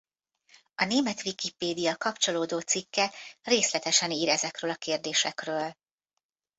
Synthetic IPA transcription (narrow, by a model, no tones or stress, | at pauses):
ɒneːmɛt̪ʋikipeːd̪ijɒkɒpt͡ʃo̞loːd̪oːt̪sikːɛreːslɛt̪ɛʃɛniːɾɛzɛkrøːlɒkeːrd̪eːʃɛkrøːl